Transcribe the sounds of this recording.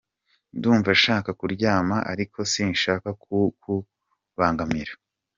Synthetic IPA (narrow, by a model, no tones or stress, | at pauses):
nduːɱvaʃaːkakuɾɟaːmaʔaɾikʰo̞sinʃaːkakuku | βaːŋɡamiɾa